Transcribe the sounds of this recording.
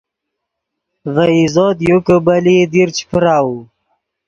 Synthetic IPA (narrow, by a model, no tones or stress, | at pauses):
vaizoːt̪jukəbalid̪iɾt͡ɕʰi̥pəɾaːu